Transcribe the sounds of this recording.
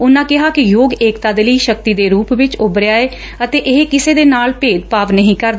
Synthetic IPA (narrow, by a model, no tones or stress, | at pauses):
ʊnãːkɪɦaːkɪjoːɡeːkt̪aːd̪eːləiːʃək̚t̪iːd̪eːɾuːpʋɪt͡ʃʊbɾɪjaːeː | ət̪eːʔɪɦkɪseːd̪eːnaːlpeːd̪paːʋnəɦĩːkəɾd̪a